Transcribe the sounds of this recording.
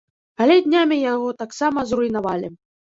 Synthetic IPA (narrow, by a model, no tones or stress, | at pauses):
alʲɛd̪ʲnʲamʲijaɣɔt̪aksamɐzrujnavalʲi